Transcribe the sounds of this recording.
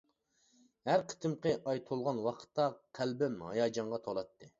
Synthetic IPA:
hæɾqʰə̥t̪ʰɨmqəʔɑjt̪ʰolˠʁɑnwɑqʰə̥t̪ːɑqʰælbɪmhɑ̰jɑːd͡ʒɑɴʁɑt̪ʰolˠɑt̪ʰːɨ

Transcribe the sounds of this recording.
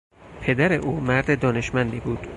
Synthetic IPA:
pʰe̞d̪æɾe̞ʔuːmæɾd̪ed̪ɒːne̞ʃmænd̪iːbuːd̪̥

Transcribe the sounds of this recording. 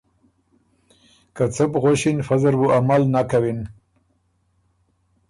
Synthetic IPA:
kat͡səpɣoʃinfazaɾbuamalnakawin

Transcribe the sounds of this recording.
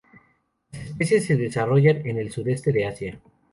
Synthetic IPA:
lase̞spe̞sjes̬ːeðe̞saro̞ʝane̞ne̞lsuðe̞st̪e̞ðe̞asja

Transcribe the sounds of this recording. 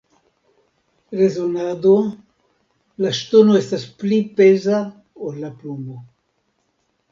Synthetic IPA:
rezonad̪o | last̪onuest̪asplipeza | olaplumbo

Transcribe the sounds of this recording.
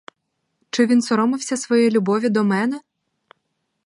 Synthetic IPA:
t͡ʃɪʋʲinsɔɾɔmɪwsʲɐsʋɔjɛlʲʊbɔʋʲid̪ɔmɛnɛ

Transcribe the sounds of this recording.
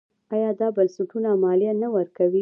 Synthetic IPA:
ɑjɑd̪ɑbansuʈunamɑlijanawəɾkawi

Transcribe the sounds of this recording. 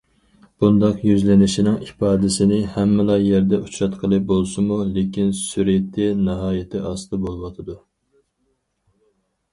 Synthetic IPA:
b̥und̪ɑqjyzlɪnɪʃinɪŋipɑːd̪ɪsɪnɪhɛmːɪlˠɑjɛɾd̪ɛut͡ʃʰɾɑt̪qʰəlˠɨp̚bolˠsɨmulekʲinsyɾet̪ʰːɪnɑɦɑːjɪt̪ʰɪʔɑsɨd̪ɨbolˠwɑt̪ʰɨd̪u

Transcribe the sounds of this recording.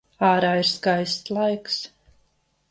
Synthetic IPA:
aːɾaːiɾskajsslˠajks

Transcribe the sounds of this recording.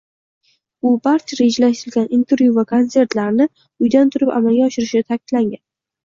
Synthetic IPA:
ʊbaɾt͡ʃʰaɾe̞d͡ʒalaʃt̪ɪɪlɡʲanint̪ʰe̞ɾvjuvakʰo̞nse̞ɾt̪laɾnɪ | ʊjd̪ant̪ʰʊɾɪpa̰malɡʲaɒʃɪɾɪʃɪnɪt̪ʰakʲʰɪd̪̥laŋɡʲan

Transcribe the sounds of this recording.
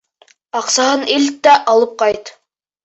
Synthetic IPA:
ɑqsɑhɤnilt̪ːæʔɑlˠɤp̚qɑjt̪

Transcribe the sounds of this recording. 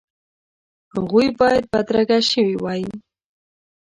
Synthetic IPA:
haɣujbɑjad̪̚bad̪ɾaɡaʃəwiwɑji

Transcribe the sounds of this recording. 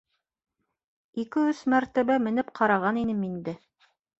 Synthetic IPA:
ikɘɵsmæɾt̪æβæmɘ̆nɘpqʰɑɾɑʁɑninɘmind̪ɘ

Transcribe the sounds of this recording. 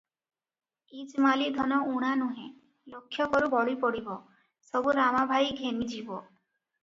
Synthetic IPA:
id͡ʒmalid̪ʱɔnɔuɽ̃anuɦẽ | lokʰːjɔkɔɾubɔɽipoɽibɔ | sɔbuɾamabʱajɡʱemid͡ʒibɔ

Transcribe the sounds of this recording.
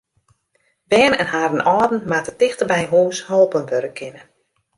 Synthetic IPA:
bɛːnɛnɦaːɾənɔːdn̩matətɪxtərbɛjɦuːshɔlˠpənʋøɾəkʰɪnən

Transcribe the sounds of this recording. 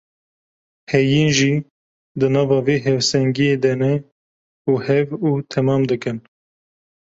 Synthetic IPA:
hɛjiːnʒiː | d̪ɨnɑːvɑːveːɦɛvsɛŋɡijeːd̪ɛnɛ | uːhɛvuːt̪ʰɛmɑːmd̪ɨkɨn

